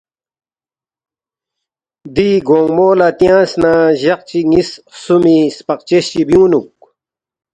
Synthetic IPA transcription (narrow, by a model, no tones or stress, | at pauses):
d̪iɡoːŋmoːlat̪jãːsnaːʑɐq̚t͡ɕiŋissumispɐqt͡ɕeɕt͡ɕibjũːnuk